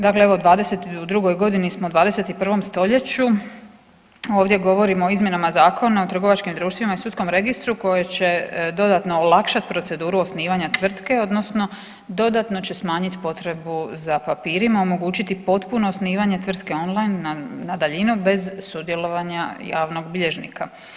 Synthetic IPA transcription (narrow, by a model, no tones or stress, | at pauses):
d̪akleeʋo̞ud̪ʋaːd̪e̞se̞t̪iud̪ɾuɡo̞jɡo̞d̪inismoud̪ʋaːd̪e̞se̞t̪ipr̩ʋo̞mst̪o̞ʎe̞t͡ɕu | o̞ːʋd̪je̞ɡo̞ʋo̞ɾimooizmjenamazaːkʰo̞naot̪ɾr̩ɡo̞ʋat͡ʃkimd̪ɾuːʃt̪ʋimaisut̪sko̞mɾe̞ɡist̪ɾuko̞jet͡ɕe̞d̪o̞d̪at̪no̞ːlakʃat̪pɾo̞t̪se̞d̪uːɾuosniːʋaɲat̪ʋr̩t̪ke̞o̞d̪no̞sno̞ | d̪o̞d̪at̪no̞t͡ɕe̞smaːɲit̪po̞t̪ɾe̞buzapapiːɾimaomo̞ɡuːt͡ɕit̪ipo̞t̪puno̞ːsniːʋaɲe̞t̪ʋr̩t̪ke̞o̞nlˠajnːanad̪aʎinube̞zsud̪jelo̞ʋaɲaja̰ːʋno̞ɡbiʎe̞ʒnḭka